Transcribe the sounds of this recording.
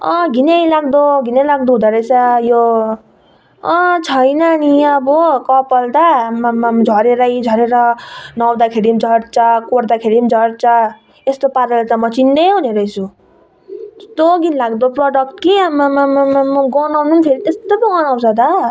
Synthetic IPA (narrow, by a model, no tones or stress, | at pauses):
ʌ̃ɡʱinejlaɡd̪oɡʱinejlaɡ̚d̪uɦud̪aɾʌjsajo | ʌ̃t͡sʰʌjnʌniʌbɔkʌpʌlt̪ammd͡zʱʌɾeɾʌjd͡zʱʌɾeɾʌnʌwd̪akʰeɽimd͡zʱʌɽt͡sʌkoɽd̪akʰeɽimd͡zʱʌɽt͡sʌ | est̪opaɾelat͡samʌt͡sind̪eɦuneɾʌjt͡sʰu | t̪oɡinlaɡd̪oproɖʌk̚ʈkiamammmɡʌnawnunpʰeɾit̪est̪ob̪ʌɡʌnaw̃sʰʌt̪a